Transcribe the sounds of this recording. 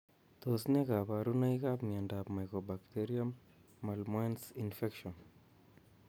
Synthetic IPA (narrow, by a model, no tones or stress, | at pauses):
t̪osnekapaɾunaikapmiandapmajkobakteɾiamː | almwensinfekʃɔn